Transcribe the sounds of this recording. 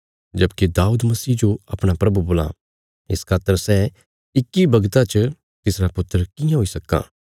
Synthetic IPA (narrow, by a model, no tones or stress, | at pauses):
d͡ʒɐbked̪aːuːd̪mɐsiːd͡ʒoɐpɽ̃apɾɐbuboːla̰ | ɪskʰaːt̪ːəɾsɛ | ɪkːibɐɡt̪at͡ʃ | t̪ɪsɾapʊt̪ːəɾkɪjãɦoːisɐkːa̰ː